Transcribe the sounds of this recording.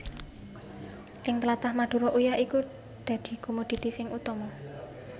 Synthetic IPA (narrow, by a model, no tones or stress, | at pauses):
ʔɪŋt̪lat̪ahmaɖ̪̥ṳɾɔʔujaʔiku | d̪̥ä̤d̪̥i̤komud̪̥i̤t̪isɪŋut̪ɔmɔ